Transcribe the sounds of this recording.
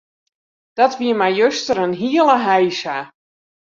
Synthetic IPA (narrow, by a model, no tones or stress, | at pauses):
d̥ɔtʋiəmajjøstəɾənɦiəlˠəɦɛjsa